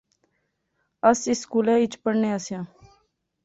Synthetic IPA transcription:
əsɪskuːlɛ̃ːɪt͡ʃpəɽnẽːəsjãː

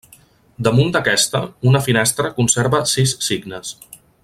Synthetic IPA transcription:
d̪əmund̪əkɛst̪əunəfinɛst̪ɾəkunseɾβəsisːiɡnəs

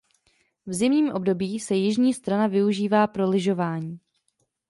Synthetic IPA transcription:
vzɪmɲiːmʔo̞bdo̞biːsɛjɪʒɲiːst̪ɾanavɪuʒiːvaːpɾolɪʒo̞vaːɲiː

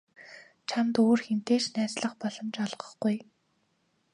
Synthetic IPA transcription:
t͡ɕʰamt̪oːrxen̥t̪eːt͡ɕnæːsɮə̆χpɔɮɞ̆mt͡ɕɔɮʁə̆χɡuj

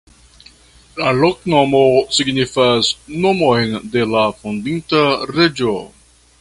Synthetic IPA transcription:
laloknomosiɡnifasnomojnde̞lafundintaɾed͡ʒo

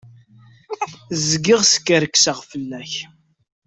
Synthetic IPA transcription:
zɡɪʁsə̥kːəɾəkːsəʁfəlːæç

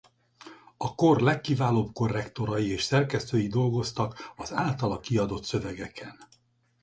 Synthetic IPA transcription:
ɒko̞rlɛkːivaːloːbko̞rːɛkt̪o̞ɾɒjieːʃsɛrkɛst̪øːjid̪o̞lɡo̞st̪ɒkɒzaːlt̪ɒlɒkiɒd̪o̞t̪sø̞vɛɡɛkʰɛn

